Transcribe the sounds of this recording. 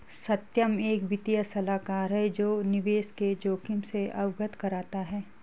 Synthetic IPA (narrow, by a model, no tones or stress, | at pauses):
sɐt̪jəmeːkʋɪt̪ijəsɐlaːkaːɾɦɛd͡ʒoːnɪʋeːsked͡ʒoːkimseɐwɡət̪kɐɾaːt̪aɦɛː